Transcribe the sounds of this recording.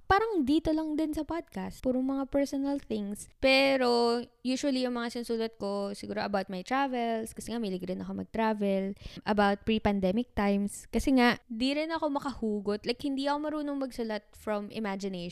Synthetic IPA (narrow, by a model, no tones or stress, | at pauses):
paːɾɐŋd̪iːt̪olɐŋd̪ɪnsɐpad̪̚kast̪puːɾoŋmɐŋapɛɹsonɐlθɪŋspɛːɾo̞juːʃʊɐlijʊŋmɐŋasɪnsuːlɐt̪̚ko̞sɪɡuːɾoʔɐbawt̪̚mɐjt̪ɾavɛlskɐsɛŋamilɪɡɾɪnɐkomɐɡ̚t̪ɾavɛlʔɐbawt̪̚pɹipɐnd̪ɛmɪk̚t̪ajmskɐsɛŋaʔɪnd̪iɾɪnɐko̞mɐkɐhuːɡot̪lajk̚hɪnd̪iʔɐko̞mɐɾuːno̞ŋmɐɡsʊlɐt̪̚fɾɔmɪ̰mad͡ʒɪne